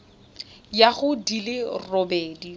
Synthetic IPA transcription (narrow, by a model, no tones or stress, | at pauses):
jaχʊdilɪrɔbɛːdi